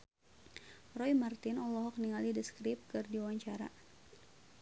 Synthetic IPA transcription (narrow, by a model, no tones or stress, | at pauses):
rɔjmart̪ɪnɔlɔɦɔk̚niŋalidiskɾɪp̚kɨrdiwaɲt͡ʃaɾa̰